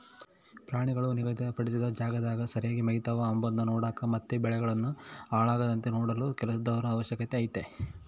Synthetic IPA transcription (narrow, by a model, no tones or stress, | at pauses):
pɾaːɳiɡɐɭuniɡɐd̪iɐpɐɽis̬id̪ɐd͡ʒaːɡɐd̪aːɡɐsɐɾijaːɡimɐɦit̪ɐʋɐːmbɐnd̪ɐnoːɽaːkɐmɐt̪ːebɛɭɛɡɐɭɐnːuaːɭaːɡɐd̪ɐnt̪enoːɽɐlukɛlɐsɐd̪ɐʋɐɾɐːʋɐʃjɐkɐt̪eaːjit̪ːe